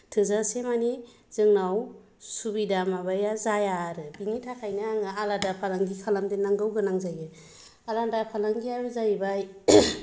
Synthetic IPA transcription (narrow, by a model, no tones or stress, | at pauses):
tʰɯzasemani | z̥ɯŋnaw | subidamabajazajaɾɯbiŋitʰakʰajnaaŋɯaladapʰalaŋɡikʰalamdenaŋɡɯwɡɯnaŋzajɯ | alandapʰalaŋɡiaɾɯzajbaj